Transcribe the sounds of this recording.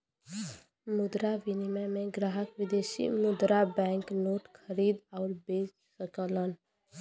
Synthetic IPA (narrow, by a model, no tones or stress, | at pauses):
mʊd̪ɾaʋɪnimemẽɡɾaːɦəkʋɪd̪eːsḭmʊd̪ɾabɛ̃ːŋknoːʈkʰəɾiːd̪ɔːɾbeːt͡ʃ | səklən